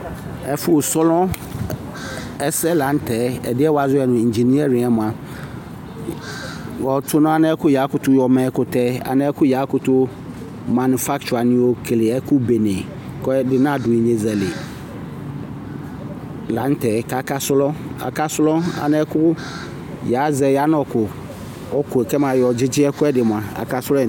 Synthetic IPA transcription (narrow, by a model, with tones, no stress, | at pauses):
ɛ˨fʊ˦˨sɔ˦lɔ̃˦ | ɛ˦sɛ˦lã˨˦n˦tʰɛ˨˦ɛ̰˨dɪ˦ɛ˦wa˨zʊ˦ɛ˨nʊ̃˨i˨ɲ˨d͡ʒi˨ni˦ɛ˦ɾɪ˨ɛ˦mʊ̃˨a˨ | wɔ˨tʰʊ˦nʊ̃˦a˦ñ˦ɛ˦kʰʊ˦ja˨˦kʊ˨˦tʰʊ˦jɔ˨mɛ̃˦kʊ˨tʰɛ˦a̰˨nɪ̃˦ɛ˦kʰʊ˦ja˨˦kʊ˨˦tʊ˦ | mã˨nʊ˨fa˦kt͡ʃu˨a˨nɪ̃˦wo˦kʰlɪ˨ɛ˦kʰʊ˦be˨nẽ˨ | kɛ˦dɪ˨nã˦˨dʊ˨i˨ɲe˨zɛ˨lɪ˨ | lã˨˦n˦tʰɛ˨ka˨ka˦sʊ˦lɔ˦a̰˨ka˦sʊ˦lɔ˦a̰˨nɛ˦kʊ˦ | ja˨˦zɛ˨ja˨˦n˦ɔ˨kʰʊ˨ | ɔ˦kʰʊ˨ɛ˨kɛ˦mã˨jɔ˨d͡ʑɪ˦d͡ʑɪ˦ɛ˦kʊ˦ɛ˦dɪ˨m˨ã˨a̰˨ka˦sʊ˦lɔ˦˨